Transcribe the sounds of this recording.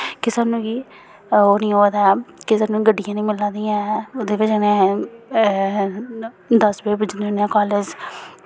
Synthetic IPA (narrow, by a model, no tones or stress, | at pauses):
kɪsaːnũːkiː | oːnĩːɦoːd̪aːɛkɪsaːnũːɡəɖːɪjãːnĩːmɪlãːd̪ijãoːd̪eːʋɪt͡ʃːnẽ | d̪əsbeːbɪd͡ʒneʊnãːkaːlɪd͡ʒ